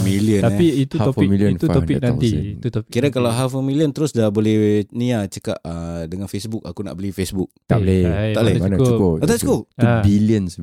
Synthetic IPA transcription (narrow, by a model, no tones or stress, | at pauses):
miliənaiit̪uafmiliənufɔpinant̪iukiɾakalawɦafəmiliənt̪əɾʊsdabolɛhniat͡ʃəka̰ʔədəŋanfesbʊk̚a̰kuna̰ʔbəlifesbʊk̚t̪a̰blɛt̪alemanat͡ʃukod̪askut̪ubiliəns